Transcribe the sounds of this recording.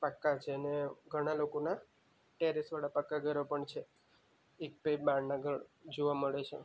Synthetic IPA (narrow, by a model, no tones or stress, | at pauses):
pəkːat͡ʃʰeəneɡʱəɽ̃alokona | ʈeɾisʋaɽapəkːaɡʱəɾopəɳt͡ʃʰe | ek̚pepbaɽnaɡʱəd͡ʒoʋaməɭet͡ʃʰḛ